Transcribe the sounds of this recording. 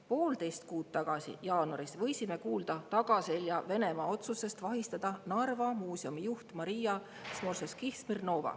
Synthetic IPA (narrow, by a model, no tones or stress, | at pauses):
po̞ːld̪e̞jst̪̚kuːt̪t̪ːɑɡ̥ɑsḭjɑːnuɑɾisvɤ̞jsime̞kuːld̪̥ɑt̪ɑɡ̥ɑse̞ljɑve̞ne̞mɑːo̞t̪suse̞st̪vɑɦist̪ɑd̪̥ɑnɑrvɑmuːsiomijuht̪mɑɾijɑ | smo̞rseskihsmirno̞ːvɑ̰